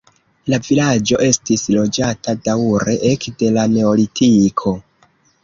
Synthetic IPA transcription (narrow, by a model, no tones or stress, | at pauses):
lavilad͡ʒo̞ʔe̞stislo̞d͡ʒatadauɾe̞ʔekde̞lane̞o̞litʰikʰo̞